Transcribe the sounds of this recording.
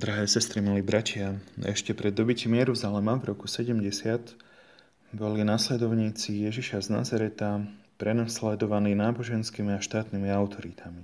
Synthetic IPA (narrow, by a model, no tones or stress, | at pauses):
d̪ɾaɦɛːsɛst̪ɾimiliːbɾacɪaɛ̰ʃcɛpɾɛd̪ːɔbicimjɛɾuzalɛmavɾɔkusɛɟɛmɟɛsɪat̪ | bɔlinaslɛd̪ɔʊɲiːt͡sijɛʒiʃazna̰zaɾɛt̪apɾɛnaslɛd̪ɔʋaniːnaːbɔʒɛnskiːmiaʃt̪aːt̪nimiaʊt̪ʰɔɾit̪ʰami